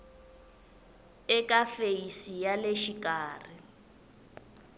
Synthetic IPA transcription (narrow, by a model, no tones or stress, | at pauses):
ɪkʼafeisijaleʃikʼaːri